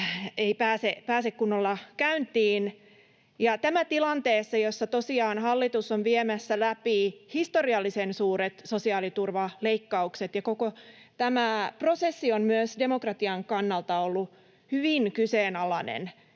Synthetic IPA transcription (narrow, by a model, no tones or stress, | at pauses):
eipæːsepæːsekkunːolːɑkæynt̪iːn | jɑt̪æmæt̪ilɑnt̪eːsːɑjosːɑt̪osiɑːnhɑlːit̪usonʋiemæsːælæpihist̪oriɑlːisensuːɾet̪sosiɑːlit̪urʋɑleikːɑukset̪jɑkoko | t̪æmæpro̞sesːionmyøsdemokrɑt̪iɑŋkɑnːɑlt̪ɑolːu | hyʋiŋkyseːnɑlɑnḛn